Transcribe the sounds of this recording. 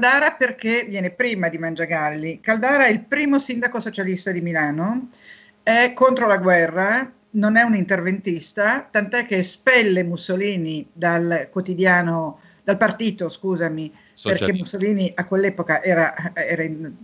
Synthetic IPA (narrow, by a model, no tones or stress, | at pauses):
kald̪aːɾaperk̟evjɛːnepɾiːmad̪imand͡ʒaɡalːikald̪aːɾaɛilpɾiːmosind̪akosot͡ʃalist̪ad̪imilaːno | ɛkːont̪ɾolaɡwɛrːa | nonɛunint̪ervent̪ist̪at̪ant̪oɛk̟ːespɛlːemusoliːnid̪alkwot̪id̪jaːno | d̪̥alpart̪iːt̪oskuːzami | perkkemːusːoliːniʔakːwelːɛːpokaʔɛːɾaɛːɾain